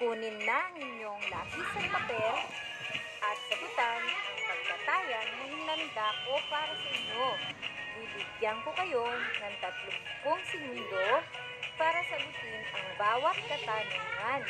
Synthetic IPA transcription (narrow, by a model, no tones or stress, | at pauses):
kuːninlɐŋɪɲjo̞ŋlaːɡit̪sɐŋbɐt̪o | ʔɐt̪̚kɐbɪt̪anʔɐŋkɐɡ̚pɐt̪aːjɐnːɐŋhɪnɐnd̪akopaːɾɐsɐʔiɲjobibiɡjaŋkokɐjo̞nɐŋt̪ɐt̪loɡ̚koŋsɪɡund̪o | paːɾɐsɐlʊt̪ɪnɐŋbaːwɐt̪̚kɐt̪anɐman